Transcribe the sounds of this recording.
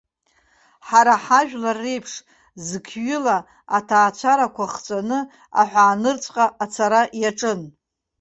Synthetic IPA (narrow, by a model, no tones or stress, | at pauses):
ħaɾaħaʒᶣlarːejpʰʂ | zɨkʰɥʏla | atʰaːt͡ɕʷʰaɾakʷʰaχt͡sʷʼanɨ | a̰ħʷaːnɨrt͡sʷʼqʼaʔat͡sʰaɾaʔjaʈ͡ʂʼɨn